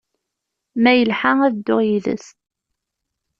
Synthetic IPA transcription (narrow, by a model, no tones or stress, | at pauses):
mæjəlħaæðəd̪ːʊʁjiðə̰st̪